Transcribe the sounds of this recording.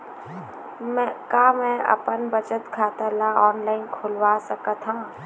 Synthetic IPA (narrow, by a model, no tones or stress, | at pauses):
mɛ̃kaːmɛ̃ɐ̰pənbət͡ʃət̪ɡʰʱaːt̪alaɔːnlaːɪnkʰʊlwasɐkat̪ʰãː